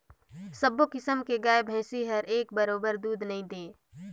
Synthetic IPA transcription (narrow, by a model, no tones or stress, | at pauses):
səbokɪsəmkeɡaːebʱɛ̃ːsiɦɐɾeːk̚bɐɾoːbəɾd̪uːd̪nɐɦĩd̪ẽː